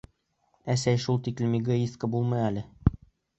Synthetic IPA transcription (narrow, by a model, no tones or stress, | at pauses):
æsæjʃulˠt̪iklɘmʲiɡoiskəbulˠmɤ̆jælɘ